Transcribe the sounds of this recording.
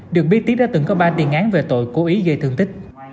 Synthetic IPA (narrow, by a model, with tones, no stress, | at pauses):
ɗɨ˨˩ək̚ɓi˦˥t̪̚ːi˦˥t̚ɗaː˧˥t̪ɨ̰˨˧˩ŋkɔ˨˦ɓaː˧t̪i˨˩ənʔaː˨˦nve˨˩t̪o̰˧˨jko˨˦ʔi˨˦ɣə˧jt̪ʰɨ˧ŋt̪ï˦˥k̟̚